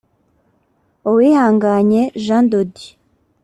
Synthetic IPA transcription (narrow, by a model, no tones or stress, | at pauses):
owihaːŋɡaɲe̞ʒandodi